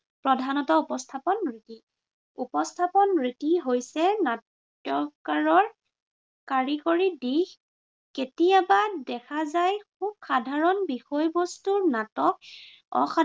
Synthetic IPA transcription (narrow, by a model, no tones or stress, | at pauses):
pɹɔdʱanɔtɔupɔstʰapɔnɹiti | upɔstʰapɔnɹitiɦojsɛnat | jɔkaɹɔɹ | kaɹikoɹidix | ketijabadɛkʰazajkub̚xadʱaɹɔnbixɔjbɔstuɹnatɔk̚ | ɔ̰xa